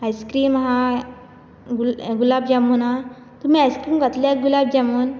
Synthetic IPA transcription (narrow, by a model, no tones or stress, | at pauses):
ajskɾiːmɦã | ɡulɡulabd͡ʑamuːnɦã | t̪um̤iːajskɾiːmkat̪ljaɡulab̚d͡ʑamuːn